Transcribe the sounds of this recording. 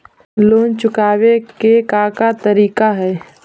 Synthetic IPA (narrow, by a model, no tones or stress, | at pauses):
loːnt͡ʃʊkaːwekekakat̪əɾiːkaɦɛː